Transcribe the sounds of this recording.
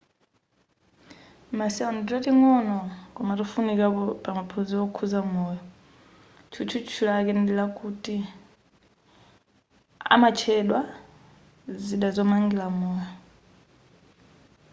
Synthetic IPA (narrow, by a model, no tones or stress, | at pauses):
masiɔnditatiŋɔnɔkɔmaɾifunikapɔpamapʰoziɔkʰuzamɔjɔ | t͡ʃʰut͡ʃʰut͡ʃʰulaːk̬ɛndilakuti | a̰mat͡ʃʰɛɗwa | ziɗazɔmaŋɡilamɔːjɔ